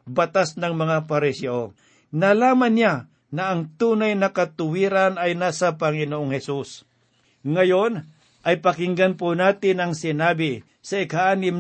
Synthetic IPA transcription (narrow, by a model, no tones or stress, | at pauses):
bɐt̪asnɐŋmɐŋapɐɾɪsɛʔo | nalaːmɐnːja | nɐʔɐŋt̪uːnajnɐkɐt̪ʊwiːɾanɐjnaːsɐpɐŋɪnoʔoŋhɛsus | ŋɐjon | ʔɐjpɐkɪŋɡanpʊnaːt̪ɪnɐŋsɪnaːbɪ | sɐʔɪkhaʔaːnɪm